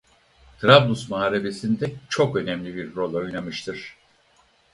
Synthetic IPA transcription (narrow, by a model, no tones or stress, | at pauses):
t̪ʰɾablˠusmaaːɾe̞be̞sind̪ɛt͡ʃʰo̞kø̞nɛmlʲibiɾːo̞lʲˠo̞jnamɯʃt̪ʰɯɾ̥